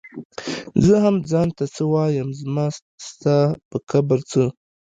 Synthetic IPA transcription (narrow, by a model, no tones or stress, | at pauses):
zəhamd͡zɑːnt̪at͡səwɑjamzmɑ | st̪apəkʰabaɾt͡sə